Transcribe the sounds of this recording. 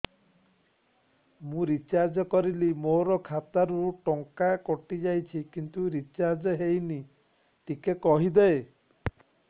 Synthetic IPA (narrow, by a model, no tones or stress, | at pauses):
mũɾit͡ʃaɾd͡ʒɔkɔɾilimoɾɔkʰat̪aɾuʈɔŋkakɔʈid͡ʒajt͡ʃʰikint̪uɾit͡ʃaɾd͡ʒɔɦejni | ʈikekɔɦid̪ɛe